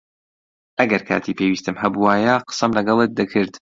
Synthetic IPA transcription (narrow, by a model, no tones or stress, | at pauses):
ʔɐɡɐɾkʰa̰ːt̪ʰipʰewiːst̪ɨmɦɐbuwaːjaqə̥sɐmlɐɡɐlˠet̪̚d̪ɨkʰɨɾd̪